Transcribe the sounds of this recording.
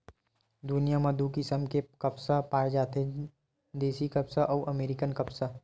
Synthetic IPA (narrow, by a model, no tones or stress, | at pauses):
d̪ʊnijamãd̪ukɪsəmkekɐpsapaːd͡ʒaːt̪e | d̪eːsikɐpsaʔɔːʔɐmeːɾɪkənkɐpsa